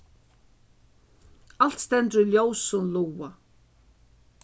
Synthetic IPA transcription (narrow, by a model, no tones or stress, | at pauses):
al̥t̪st̪ɛnt̪ɾʏljowsʊnluwa